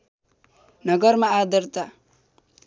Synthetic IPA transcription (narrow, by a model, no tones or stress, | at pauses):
nʌɡʌɾmaːd̪ʌɾt̪a